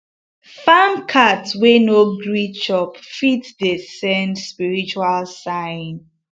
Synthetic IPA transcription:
famkʰatwenoɡɹit͡ʃɔpfitdesɛ̃ndspiɹit͡ʃualsãɪn

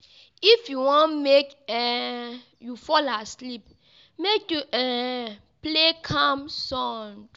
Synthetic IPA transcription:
ifjuwɔ̃nmekɛ | jufɔlaslip̚ | mekjuʔɛ | plekʰãmsɔ̃ŋ

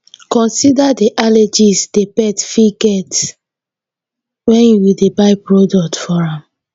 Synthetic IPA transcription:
kɔ̃nsidadeʔaled͡ʒisdepɛtfiɡɛt | wɛ̃njuwidebaɪpɹodɔk̚tfɔɹãm

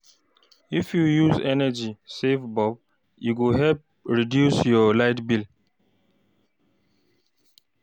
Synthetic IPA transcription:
ifjujuzɛnəd͡ʒisefbɔb̚ | juɡuɦɛlp̚ | ɹidjusjɔlaɪtbil

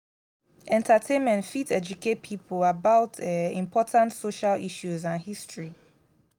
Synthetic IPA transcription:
ʔɛ̃ntʰatʰẽnmɛ̃ntfitʰɛd͡ʒukʰet̚pʰipʰəlabaʊtʰɛĩmpʰɔtʰãntsoʃaliʃuzãnhistɹi

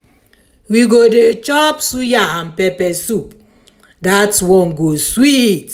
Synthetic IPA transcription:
wiɡodet͡ʃɔpsujaãnpɛpɛsup | datswɔ̃nɡoswit

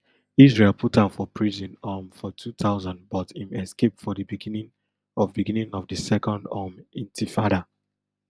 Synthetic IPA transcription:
isɹelˠpʰutãfɔpʰɹizĩnamfɔtʰutʰaʊzãndbɔtĩmɛskep̚tfɔdəbiɡinĩŋ | ɔvbiɡĩnĩŋɔvdəsɛkɔ̃ndamĩntʰifaɾa

